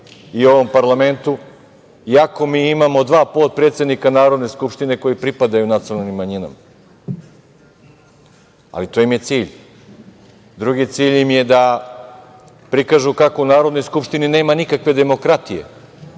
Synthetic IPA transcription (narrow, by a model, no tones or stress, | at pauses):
io̞ʋo̞mpaɾlˠame̞nt̪u | iako̞miːimamo̞d̪ʋaːpoːt̪̚pɾet̪se̞d̪nikanaːɾo̞d̪neskupʃt̪ine̞ko̞jipɾipad̪ajunat̪sionalˠnimːaɲina̰ma | a̰lit̪o̞ːjimje̞t̪siːʎ | d̪ɾuɡit̪siːʎimje̞d̪a | pɾikaːʒukako̞unaːɾod̪nojskupʃt̪inine̞ːmanikakʋe̞d̪e̞mo̞kɾat̪ije̞̰